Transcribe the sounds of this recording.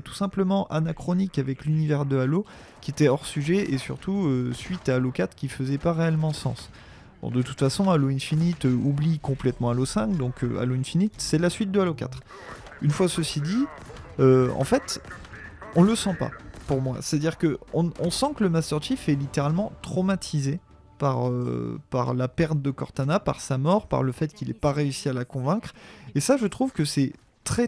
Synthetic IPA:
t̪u̥sɛ̃pləmɑ̃ʔanakχɔnikavɛklynivɛʁd̪əalo | kʲiet̪ɛɔʁsyʒɛʔesy̰ʁt̪ʰuøsɥit̪aːlokat̪χkʲifəzɛpaʁeɛlmɑ̃sɑ̰̃s | b̥ɔ̰̃d̪ət̪u̥t̪fasɔ̃aloɛ̃finit̪øublikɔ̃plɛt̪mɑ̃alosɛ̃kd̪ɔ̃kø̰a̰loɛ̃nfinit̪sɛlasɥit̪̚d̪əaloka̰t̪χ | ynfwasəsid̪i | øɑ̰̃fɛt̪ | ɔ̃ləsɑ̃pa̰puʁmwa̰se̥t̪ad̪iʁkəɔ̃ɔ̃sɑ̃kələmast̪œʁʃifɛlit̪eʁalmɑ̃t̪χɔmat̪ʰize | paʁø̰paʁlapɛʁt̪d̪əkɔ̰ʁt̪anapa̰ʁsamɔʁpa̰ʁləfɛt̪kʲilɛpaʁeysialakɔ̃vɛ̃kχesaʒət̪χuvkəsɛ | t̪χɛ

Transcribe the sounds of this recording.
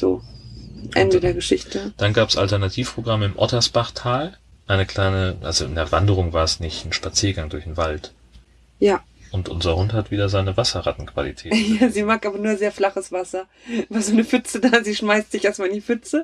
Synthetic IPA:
z̥o̰ː | ʔɛ̰ndədeːɐɡəʃɪçtʰəd̥anɡaːpsʔa̰ltɛɐnatʰiːfpʁ̥oɡʁaməɪmʔɔ̰tɐsb̥aχtʰaːl | ʔaɪnəkl̥aɪnəʔa̰lzoɪ̰ndeːɐvandəʁ̞ʊŋvaːɐɛsnɪçn̩ʃpat͡siːɐɡaŋdʊɐçdenvalt | jaː | ʔʊntʔʊ̰nzɐhʊnthatv̥iːdɐzaɪnəvasɐʁatn̩kv̥a̰lḭtʰɛːjaːziːmaːk̚ʔaːbɐnuːɐzeːɐflaχəsv̥asɐ | vaːzoːnəfʏt͡sədaːziːʃmaɪstz̥ɪçʔeːɐstmaːlɪndifʏt͡sə

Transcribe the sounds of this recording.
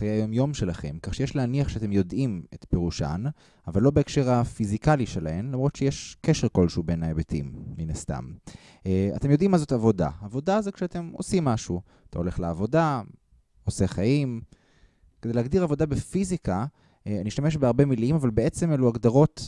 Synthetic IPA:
ajeajomjo̞mʃe̞laχe̞̰mkaχʃejeʃleaniaχʃeat̪e̞mjo̞dʔimet̪peʁuʃa̰n | avalːo̞beːkʃe̞ʁafizikaliʃe̞lahe̞mlamʁo̞tʃejeʃkeʃeʁko̞lʃeube̞naebetḭmːinasta̰m | a̰t̪e̞mjo̞d̪imːazo̞tavo̞da̰aːvo̞dazokʃeate̞mo̞̰simːaʃu | atʰao̞le̞χleavo̞da | o̞se̞χaim | kedeleaɡdiʁavo̞dabefizika | aniʃtameʃ̬beaʁbe̞milimavalbee̞t͡se̞meluaɡd̪aʁo̞t

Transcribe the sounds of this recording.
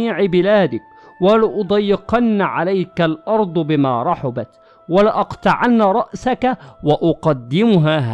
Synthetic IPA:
iːʕɪbɪlaːd̪ɪk̚ | walɪʔʊd̪ˤɑjːɪqɑnːʕalajkalʔɑɾˤd̪ˤbɪma̰ːɾˤɑħʊbat̪ | walɪʔɑqt̪ɑʕanːaɾˤɑʔsakawaʔʊqɑd̪ːɪmʊɦaːɦa

